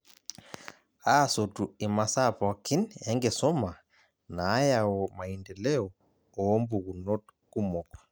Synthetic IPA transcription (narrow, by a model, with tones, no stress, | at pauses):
a˦˨so˨tu˨e˨ma˨sa˦pa˨a˨ki˦ne˦ŋɡe˨sɔ˦ma˨ | naː˨˦ja˨wɔ˨ma˨i˨ndɛ˨lɛ˦ɔ | ɔ˦mbu˨ɣu˨nɔ˦tku˦mɔ˨kɔ̥˨